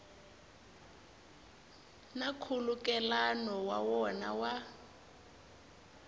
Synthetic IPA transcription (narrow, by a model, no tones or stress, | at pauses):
nakʰulukʼɛlanɔwa̰wɔna̰wa